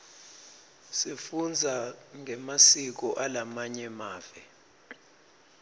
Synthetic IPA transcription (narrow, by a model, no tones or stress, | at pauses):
sifund͡zʱaŋʱɛmasik̬ɔʔalamaɲɛmaːvɛ